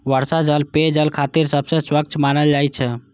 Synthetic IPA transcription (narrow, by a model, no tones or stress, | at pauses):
ʋəɾsad͡ʒəlped͡ʒəlkʰat̪iɾsəbsə̃swək̚t͡ʃmanəld͡ʒajt͡ʃʰɛ